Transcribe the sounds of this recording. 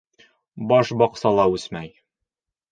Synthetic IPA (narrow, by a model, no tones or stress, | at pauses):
bɒʃbɒqsɑlˠɑʉsmæj